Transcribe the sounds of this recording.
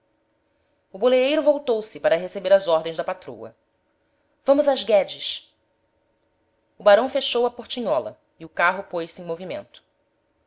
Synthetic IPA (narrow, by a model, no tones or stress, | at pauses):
ʊboleejɾʊvowt̪owsɪpaɾɐɦesebeɾɐzɔɦd̪ẽj̃zd̪ɐpat̪ɾo̰wɐ̰ | vɐ̃mʊzazɡɛd͡ʒɪʃ | ʊbaɾɐ̃w̃feʃowɐpoɾt͡ʃiɲɔlɐ̰ | iʊkaɦʊpojsẽj̃movimḛ̃nt̪ʊ̥